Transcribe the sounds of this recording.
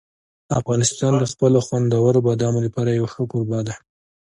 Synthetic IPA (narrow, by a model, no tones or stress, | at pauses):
afɣɑnɪst̪ɑnd̪əxpəloxwand̪awaɾobad̪ɑmolapɑɾajawaxəkoɾbɑd̪a